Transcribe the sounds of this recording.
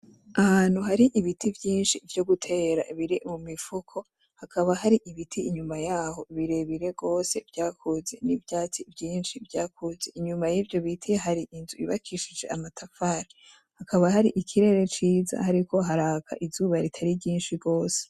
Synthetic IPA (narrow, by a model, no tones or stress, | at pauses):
ahaːn̥uɦaɾiʔiβitivjiːnʃivjo̞ɡutʰe̞ːɾa̰iβiɾimumifukʰo̞ | hakʰaβaɦaɾiʔiβitʰiiɲumajaːho̞βiɾe̞βiɾe̞ɡo̞ːse̞vjaːkʰuze̞nivjaːt͡sivjiːnʃivjaːkʰuze̞iɲumajiːvjo̞βitʰiɦaɾiʔinzuḭβa̰kʰiʃid͡ʒe̞amatʰafaːɾi | hakaβaɦaɾiʔikʰiɾe̞ɾe̞t͡ʃiːza̰haɾiko̞ɦaɾaːkʰa̰ʔizuβaɾitʰaɾiɟiːnʃiɡo̞ːse̥